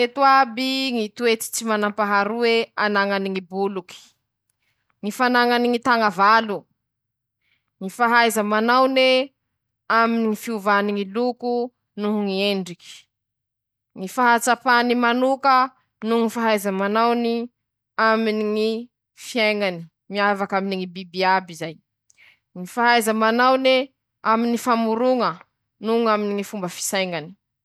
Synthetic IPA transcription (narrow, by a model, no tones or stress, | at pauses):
et̪uabiŋit̪uet̪i̥t͡simanampaɦaɾuweanaŋaniŋibuluki̥ | ŋifanaŋaniŋit̪aŋavalu | ŋifaɦajzəmanawne | aminiŋifiuvaniŋiluku | nuɦŋieɳɖ͡ʐiki̥ | ŋifaɦat͡sapanimanukə | nuŋifaɦajzəmanawni | aminiŋi | fiajŋani̥ | miavakaminiŋibibiabizaj | ŋifaɦajzəmanawne | aminifamuɾuŋə | nuŋaminiŋifumbəfi̥sajŋani̥